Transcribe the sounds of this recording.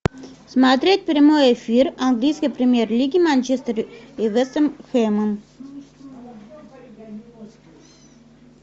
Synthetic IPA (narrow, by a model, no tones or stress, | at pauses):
smat̪ɾɛt̪̚ʲpɾimojefʲiɾaŋɡlʲijskʲipɾʲemʲjɛɾlʲiɡʲimanʲt͡ʃest̪əɾivəst̪əmxɛmən